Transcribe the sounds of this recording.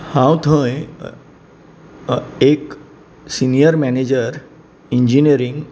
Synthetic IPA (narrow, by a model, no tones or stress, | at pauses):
hãwt̪ʰə̃j | ek | sinijəɾmæned͡ʑəɾ | iɲd͡ʑiniəɾĩŋɡ